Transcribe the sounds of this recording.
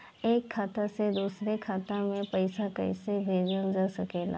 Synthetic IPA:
eːkʰːaːt̪ased̪uːsɾekʰaːt̪amẽpəɪsakə̰ɪsebʱeːd͡ʒəld͡ʒəsɐkeːla̰ː

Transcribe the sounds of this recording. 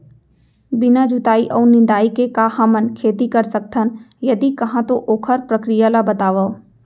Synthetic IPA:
bɪnad͡ʒʊt̪aːiʔɔːɾnɪ̃nd̪aːikekahamənkʰeːt̪ikɐɾsɐk̚t̪ʰənjɐd̪ikɐɦãt̪oʔoːkʰəɾpɾɐkɾijalabɐt̪aːʋə

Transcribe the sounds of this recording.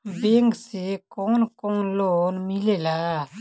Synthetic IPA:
beŋksekɔnkɔnlonmilela

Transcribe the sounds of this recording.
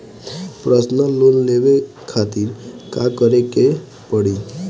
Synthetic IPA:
pɾəsnəlunleʋe | kʰat̪iɾkakəɾeke | pəɽi

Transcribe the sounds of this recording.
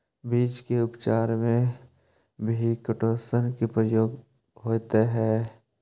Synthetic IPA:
biːd͡ʒkeʊpt͡ʃaːɾmẽ | bʱikəʈoːsənkepɾəjoːɡ | ɦoːt̪eɦɛː

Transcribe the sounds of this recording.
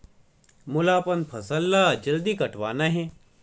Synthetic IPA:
mʊlaːpɐnd̪̚pʰɐsɐlːaːd͡ʒɐld̪ikɐʈʋaːnaɦẽ

